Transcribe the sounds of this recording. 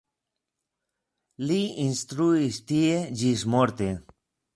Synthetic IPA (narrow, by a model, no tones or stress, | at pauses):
liinst̪ɾuist̪ied͡ʒismoɾt̪e